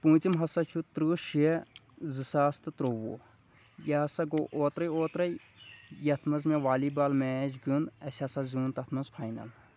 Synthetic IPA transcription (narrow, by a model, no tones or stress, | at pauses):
pũːt͡simɦɐsɐt͡ʃʰut̪ɾɨːʃi | zɨsaːst̪ɨt̪ɾowo̰ː | jɐɐsɐɡoʔoːt̪ɾɐjoːt̪ɾɐj | jɐt̪ʰmɐzmeʋaːliːbaːlmeːd͡ʒɡɨnɐsʲɐsɐzuːnt̪ɐt̪ʰmɐzpʰaːjnɐ̰l